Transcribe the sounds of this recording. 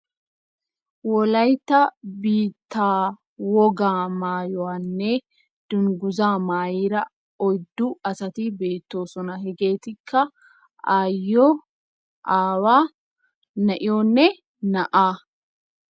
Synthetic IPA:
wɔlɐjt̪ːɐbiːt̪ːaː | wɔɡaːmaːjʊanːɛ | d̪̥ʊŋɡʊzaːmaːjiːɾɐ | ɔjd̪ːʊɐsɐt̪ibe̞ːt̪ːo̞ːsɔnɐɦɛɡe̞ːt̪ɪkʰːɐ | aːjːoː | ʔaːwaː | nɐʔɪjoːnːɛ | nɐʔaː

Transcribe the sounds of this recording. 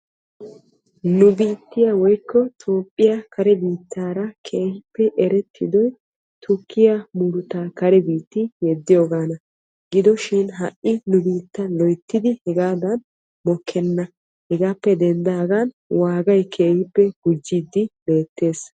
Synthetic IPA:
nʊbiːt̪ːɪjɐwɔjkːɔt̪ʰo̞ːpʼːɪjɐkʰɐɾɛbiːt̪ːaːɾɐkʰeːhɪpːɛʔɛɾɛt̪ʰːɪ̰d̪ɔj | t̪ʰʊkʰːɪjɐmʊɾʊt̪aːkɐɾɛbiːt̪ːɪjɛd̪ːɪjoːɡaːnɐ | ɡɪd̪ɔʃɪnɦɐʔʔːɪnʊbiːt̪ːɐnlɔjt̪ːɪd̪ɪhɛɡaːd̪ɐn | mɔkʰːɛnːɐ | hɛɡaːpːɛd̪ɛnd̪aːɡan | waːɡɐjkʰeːhɪpːɛɡ̥ʊd͡ʒːiːd̪ːɪbe̞ːt̪ːe̞ːs

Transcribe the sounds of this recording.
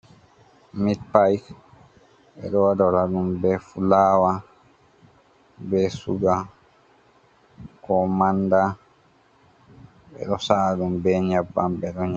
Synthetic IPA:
mit̚pajk | ɓɛ̰ɗɔwadɔɾaɗumbɛfulaːwa | bɛsuɡa | kɔmanda | ɓɛ̰ɗɔsaːdumbɛɲabːambɛɗɔɲ

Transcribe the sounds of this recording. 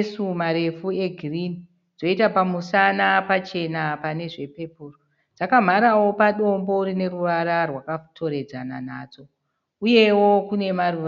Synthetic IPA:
sumaɾe̞fue̞ɡʱirini | d͡zo̞itapamusanapat͡ʃe̞napane̞ʐe̞pe̞puːro | d͡zakam̤aɾawo̞paɗo̞mbo̞uɾine̞ruʋaɾarwakatʰo̞ɾe̞d͡zana̰nad͡zo̞ | uje̞wo̞kune̞maruʋa

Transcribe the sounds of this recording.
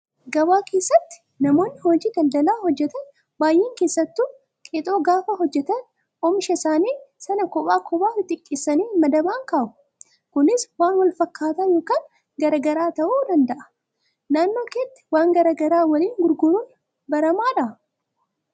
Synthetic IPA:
ɡɐbaːkʰe̞ːsːɐt̪ːɪ̥ | nɐmo̞ːnːɪhoːd͡ʒiːd̪ɐld̪ɐlaːhɔd͡ʒːɛt̪ɐn | baːjʔeːŋke̞ːsːɐt̪ːuː | kʼet̪ʼoːɡaːfɐɦɔd͡ʒːɛt̪ɐn | ɔmʃɐsaːniːsɐnɐkɔpʼaːkʰɔbaːɾɪt̪ʼɪkʼːeːsːɐniːmɐd̪ɐbaːŋkaːʔʊ̥ | kʊnɪswaːnwɐlfɐkːaːt̪ɐjoːkaːn | ɡɐɾɐɡɐɾaːt̪ɐʔuːd̪ɐnd̪ɐʔɐ̥ | naːnːo̞ːkeːt̪ːɪ̥waːŋɡɐɾɐɡɐɾaːwɐliːŋɡʊɾɡʊɾuːn | bɐɾɐmaːᶑɐ

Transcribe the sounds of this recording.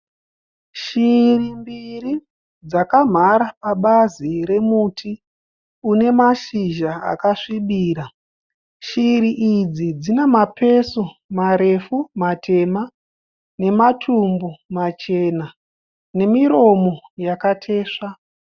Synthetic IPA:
ʃirimbiri | d͡zakam̤aɾapaɓaziɾe̞mutʰi | une̞maʃiʒaa̰kaʂiɓiːɾa | ʃiɾiʔid͡zid͡zine̞mape̞somaɾe̞fumatʰe̞ma | ne̞matʰumbumat͡ʃe̞na | ne̞miɾo̞mo̞jakatʰe̞ːʂa

